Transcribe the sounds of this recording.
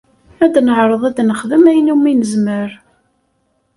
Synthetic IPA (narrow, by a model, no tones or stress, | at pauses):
æd̪nəʕɾˤəðˤæd̪nəχðəmæjnimːinəzməɾ